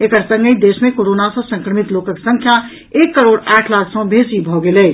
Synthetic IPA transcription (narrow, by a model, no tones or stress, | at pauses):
ekəɾsə̃ŋɡəid̪esmẽkoɾonasə̃sə̃ŋkɾəmit̪lokəksə̃ŋkʰja | ekːəɾoɖaːʈʰlakʰsə̃bʱesibʱɔɡelɛ